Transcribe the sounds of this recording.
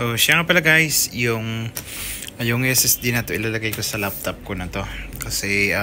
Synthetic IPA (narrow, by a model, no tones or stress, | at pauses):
oʃaŋɐpɐlɐɡajsjʊŋ | ɐjʊŋɛsɛsd̪inɐt̪o̞ʔɪlalɐɡajkosɐlap̚t̪op̚konɐt̪o̞kɐsɛʔ